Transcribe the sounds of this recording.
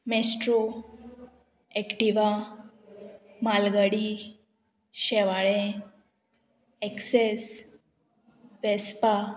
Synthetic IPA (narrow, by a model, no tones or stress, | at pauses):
mesʈɾo | ɛkʈiʋa | malɡaɽi | ɕɛʋaɭẽ | ɛkses | ʋɛspa